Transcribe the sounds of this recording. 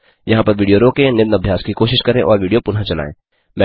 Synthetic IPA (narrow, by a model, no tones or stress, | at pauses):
jɐɦãpɐɾʋiːɖijoɾoːkẽnɪbnɐbʱjaːskikoːʃɪʃkɐɾẽʔɔ̰ːɾʋiːɖijopʊnɦãt͡ʃɐla̰ːḛ̃ː | mɛ̃